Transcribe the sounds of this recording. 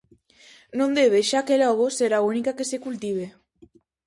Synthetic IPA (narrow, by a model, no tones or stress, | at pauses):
nõnd̪eβeʃakelɔɣ̞oseɾaunikakesekult̪iβ̞e